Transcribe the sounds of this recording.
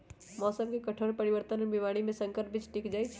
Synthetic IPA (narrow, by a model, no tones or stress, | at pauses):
mɔsəb̚kekəʈʰəɾpəɾibəɾt̪ənlbimaɽ̃imesəŋkəɾp̚bit͡ʃʰʈikd͡ʒajt͡ʃʰ